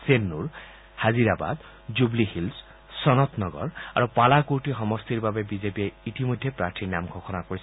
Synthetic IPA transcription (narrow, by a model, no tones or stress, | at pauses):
senːuɹ | haziɾaba̰d̪ | d͡ʒublihils | sɔnɔt̪nɔɡɔ̰ɹaɹupalakuʈiɦɔmɔst̪iɹbabebizepieitimod̪ʱjepɾaɾtʰinamɡʱɔxʰɔnakoɹisʰ